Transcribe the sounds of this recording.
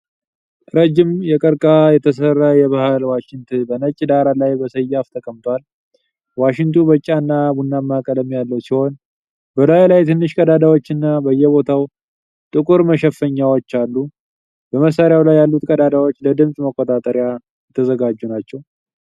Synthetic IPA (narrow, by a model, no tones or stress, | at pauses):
ɾəd͡ʒːɪmjɛkʼəɾkʼajɛt̪ʰəs̬ərːajɛβahalwaʃɪŋt̪ʰɨnbənət͡ʃʼd̪aɾalajbəsəjːaft̪ʰəkʼəmt̪ʰʷal | waʃɪŋt̪ʰubət͡ʃʼːanːabunːamːakʼələmjalːəwsiho̞n | bəlajlajt̪ʰɨnːɨʃkʼəd̪ad̪awo̞t͡ʃːɨnːabəjːɛβo̞t̪ʰaw | t̪ʼɨkʼuɾməʃɛfəɲːawot͡ʃːalːu | b̥əməs̬ːaɾɪjawlajːalːut̪kʼəd̪ad̪awo̞t͡ʃːləd̪ɨmsʼməkʼːot̪ʼat̪ʼəɾɪja | jɛt̪ʰːəzəɡad͡ʒːunat͡ʃːɛw